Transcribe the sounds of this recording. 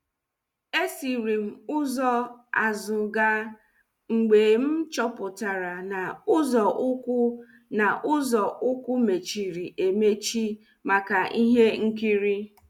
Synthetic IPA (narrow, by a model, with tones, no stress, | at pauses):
e˦si˨ɾi˨m̩˨ʊ˦zɔ˦a˨zʊ˨ɡa˦ | ŋ͡m̩˨ɡ͡be˨m̩˦t͡ʃɔ˦pʊ˨ta˨ɾa˨na˨ʊ˦zɔ˨ʔʊ˦kʊ˦ | na˨ʔʊ˦zɔ˨ʔʊ˦kʷʊ˦me˨t͡ʃi˨ɾi˨ʔe˨me˦t͡ʃi˦ | ma˨ka˨ʔi˦ɦe˦ŋ̩˦ki˦ɾi˦